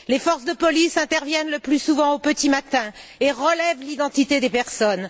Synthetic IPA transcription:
lefɔʁsd̪əpɔlisɛ̃t̪ɛʁvjɛnləplysuvɑ̃opət̪imat̪ɛ̃eʁəlɛvlid̪ɑ̃t̪it̪ed̪epɛʁsɔn

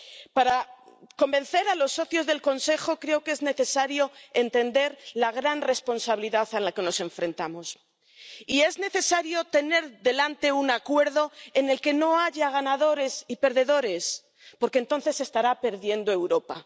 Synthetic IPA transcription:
paɾako̞mbẽ̞n̟θe̞ɾalo̞sːo̞θjo̞zðe̞lko̞nse̞xo̞kɾe̞oke̞zne̞θe̞saɾjo̞e̞nt̪e̞nd̪e̞ɾlaɣ̞ɾanre̞spo̞nsaβiliðaθalake̞no̞se̞ɱfɾẽ̞nt̪amo̞s | ie̞zne̞θe̞saɾjo̞t̪e̞ne̞ɾðe̞lant̪e̞unakwe̞ɾðo̞ene̞lke̞no̞aʝaɣ̞anaðo̞ɾe̞sipe̞ɾðe̞ðo̞ɾe̞s | po̞ɾkeːnt̪o̞n̟θe̞se̞st̪aɾape̞ɾðje̞nd̪oe̞wɾo̞pa

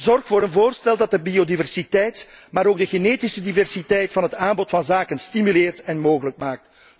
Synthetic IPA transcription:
zɔrxfoːɾənvoːrstɛlˠdɑt̚dəbiodivɛrsitɛjtmaːɾoːɡ̚dəɣeneːtisədivɛrsitɛjtfɑnɦətaːmbɔtfɑnzaːkənstimyleːrtɛnmoːɣələk̚maːk̚t

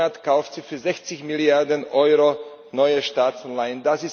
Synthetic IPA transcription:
atkʰaʊftz̥ifyːɐzɛçt͡sɪçmiljaɐdənʔɔʏʁo | nɔʏəʃtaːt͡sanlaɪəndasɪs

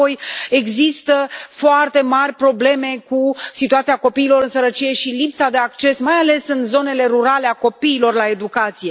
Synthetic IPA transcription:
oje̞ɡzist̪əfoart̪e̞marʲpɾo̞ble̞me̞kusit̪uat̪siako̞piːlo̞ɾɨnsəɾət͡ʃije̞ʃilipsad̪e̞akt͡ʃe̞smajale̞sɨnzo̞ne̞le̞ɾuɾale̞ako̞piːlo̞rlae̞d̪ukat̪sije̞

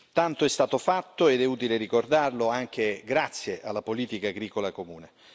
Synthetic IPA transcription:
t̪ant̪oɛst̪aːt̪ofat̪ːoed̪ɛuːt̪ileɾikord̪arloaŋk̟eɡɾat̪sːjeʔalːapoliːt̪ikaːɡɾiːkolakomuːne

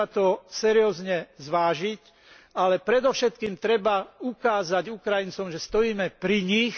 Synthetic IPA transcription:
at̪ɔsɛɾiɔːzɲɛzʋaːʒic | alɛpɾɛd̪ɔfʃɛt̪kiːmt̪ɾɛbaukaːzaɟukɾajint͡sɔmʒɛst̪ɔjiːmɛpɾiɲix

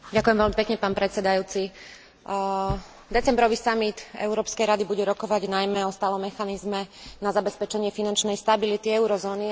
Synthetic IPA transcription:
ɟakujɛmvɛlmipɛkɲɛpaːnpɾɛt̪t͡sɛd̪ajuːt͡si | d̪ɛt͡sɛmbɾɔʋisamit̪ɛ̰ʊɾɔːpskɛjɾad̪ibuɟɛɾɔkɔʋaɟnajmɛɔst̪aːlɔmːɛxanizmɛnazabɛspɛt͡ʃɛɲɪɛfinant͡ʃnɛjst̪abilit̪iɛʊɾɔzɔːni

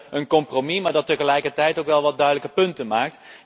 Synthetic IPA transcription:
ənkɔmpromimaːɹdɑtəχəlɛjkəɹtɛjtowkʋɛlˠʋɑd̚dœɥdələkəpɵntənmaːk̚t

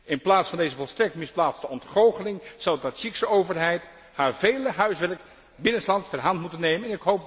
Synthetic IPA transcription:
ɪnplaːtsfɑndejzəvɔlˠstrɛk̚tmɪsplaːtstəɔntχowχəlɪŋz̥ʌwdɑtsiksəowvəɹɦɛjt | haːɹvejləɦœɥsʋɛɹk | bɪnənslɑntstɛrɦɑntmutənːejmənɛnɪkɦowp̚

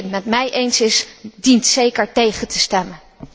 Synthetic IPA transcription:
tmɛtmɛjʔejnsɪsdintsejkəɹtejχəntʰəstɛmən

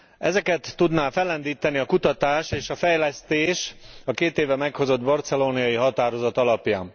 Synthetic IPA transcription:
ɛzɛkɛt̪ːud̪naːfɛlɛnd̪iːt̪ɛniɒkut̪ɒt̪aːʃeːʃɒfɛjlɛst̪eːʃɒkeːt̪eːvɛmɛkho̞zo̞d̪bɔrt̪sɛloːniɒjiɦɒt̪aːɾo̞zɒt̪ɒlɒpja̰ːn

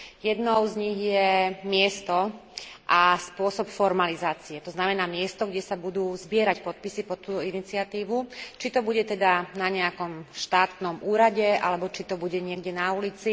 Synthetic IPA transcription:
jɛd̪nɔʊzɲiɣjɛmɪɛst̪ɔʔaspʊɔsɔpfɔɾmalizaːt͡siɛt̪ɔznamɛnaːmɪɛst̪ɔɡɟɛsabud̪uːzbɪɛɾacpɔt̪̚pisipɔt̪ːuːt̪ɔinit͡siat̪iːʋut͡ʃit̪ɔbuɟɛt̪ɛd̪anaɲɛakɔmʃt̪aːt̪nɔmʔuːɾaɟɛa̰lɛbɔt͡ʃit̪ɔbuɟɛɲɪɛɡɟɛnaulit͡si

